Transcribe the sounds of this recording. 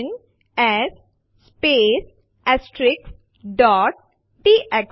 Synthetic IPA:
n | ɛs | speːs | ɛsʈɾɪks | ɖɔːʈ̚ː | iːʔek

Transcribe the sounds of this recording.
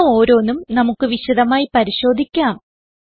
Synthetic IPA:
o̞ːɾo̞ːnːumnɐmukːɨʋiɕɐðɐmaːjipɐɾiɕo̞ːd̪ʱikʲːaːm

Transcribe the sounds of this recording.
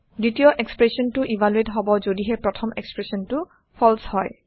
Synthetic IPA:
ditijɔʔekspɹesɔntʊʔibʱaluetɦɔbɔzodiɦɛpɹɔtʰɔmḛkspɹesɔntʊ | pʰɔlshɔj

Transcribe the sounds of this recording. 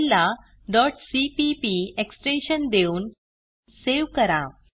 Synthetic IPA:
lːa | ɖɔʈsipipieksʈẽnɕənd̪euːn | seʋkəɾa

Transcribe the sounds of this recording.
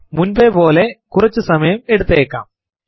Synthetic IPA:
munbepo̞ːlekurɐt͡ɕːɨsɐmɐjɐmeɽut̪ːeːkːa̰ːm

